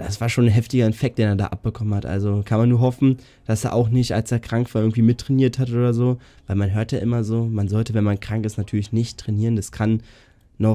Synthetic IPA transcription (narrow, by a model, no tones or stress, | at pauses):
d̥asv̥aːɐʃoːnnɦɛftɪɡɐɛfɛk̚t̚d̥eːneːɐda̰ːʔa̰p̚b̥əkʰɔmənhatʔa̰lzokʰanmanːuːɐɦɔfn̩ | d̥asḛːɐʔaʊχnɪçtʔa̰lseːɐkʁ̥aŋkv̥aːɐʔɪɐɡŋ̩tv̥iːmɪtːʁ̥ɛniːɐthatʔoːdɐzoː | vaɪlmanɦøːɐtjaːʔɪmɐzoːmanzɔltəvɛnmankʁ̥aŋkɪstnatʰyːɐlɪçnɪçtʁ̥ɛniːʁəndaskʰanː | ɔχ